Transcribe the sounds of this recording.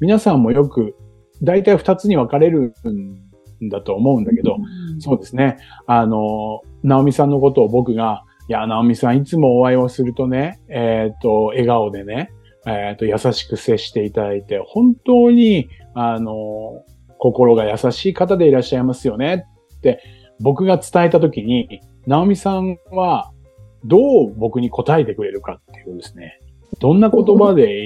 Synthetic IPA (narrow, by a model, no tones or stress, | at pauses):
mʲinasãmːo̞jo̞kɯ̟ | d̪ait̪aiɸɯ̟̥t̪at͡sɨɲ̟iβakaɾe̞ɾɯ̟̃n | d̪at̪o̞ːmo̞ɯ̟̃nd̪ake̞d̪o̞so̞ːd̪e̞sɨne̞ano̞nao̞mʲisãnːo̞ko̞t̪o̞ːbo̞kɯ̟ɡa | janao̞mʲisãɰ̃it͡sɨmo̞ːβaiβasɨɾɯ̟t̪o̞ne̞et̪ːo̞e̞ɡaod̪e̞ne̞ | et̪ːo̞jasaɕi̥kɯ̟se̞ɕi̥t̪e̞it̪ad̪ait̪e̞hõ̞nt̪o̞ːɲ̟i | ano̞ | ko̞ko̞ɾo̞ɡajasaɕiːkat̪ad̪e̞iɾaɕːaimasɨjo̞ne̞ː | e̞ | bo̞kɯ̟ɡat͡sɨ̥t̪ae̞t̪at̪o̞kʲiɲ̟i | naomʲisãβa | d̪o̞ːbo̞kɯ̟ɲ̟iko̞t̪ae̞t̪e̞kɯ̟ɾe̞ɾɯ̟kat̪ːe̞jɯd̪esɨ̥ne̞ | d̪̥õ̞nːako̞t̪o̞bad̪e̞